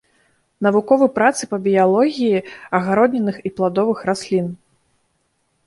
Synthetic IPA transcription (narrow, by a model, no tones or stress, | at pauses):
nɐvukɔvɨpɾat̪sɨpɐbʲijalˠɔɣʲijiɐɣaɾɔd̪nʲɛnɨxiplˠad̪ɔvɨxɾasʲlʲin